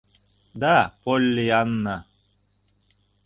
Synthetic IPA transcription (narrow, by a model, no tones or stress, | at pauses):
d̪apolʲːijanːa